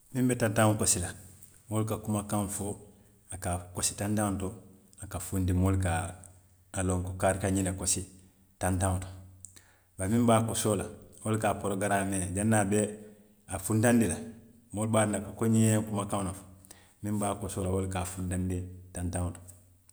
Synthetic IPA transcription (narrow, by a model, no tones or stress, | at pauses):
mĩmbɛtãntaŋkosila | molukakumakãɱfo | akakosi̥tãntãŋto | akafundimolkaː | lõŋkokaɾikaɲinakosi | tãntãŋoto̥ | baɾmĩmbaːkosoːlawolkapoɾoɡaɾamed͡ʒanːaːbe | afũntãndila | molbaːɾilakakoɲiɲẽkumakãŋnafo̥ | mĩmbaːkosoːlawolkaːfuntandetantãŋoto̥